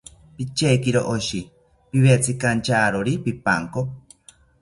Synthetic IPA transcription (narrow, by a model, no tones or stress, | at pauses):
pit͡ʃekiɾoʔoʃi | piβet͡sʰikant͡ʃaːɾoɾipipa̰ŋko